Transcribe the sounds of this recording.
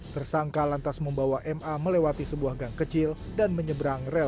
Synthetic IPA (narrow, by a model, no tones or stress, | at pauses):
t̪ərsaŋkalant̪asməmbawaʔɛmʔaməlewat̪isəbuahɡaŋkət͡ʃɪldanməɲəbəɾaŋrɛ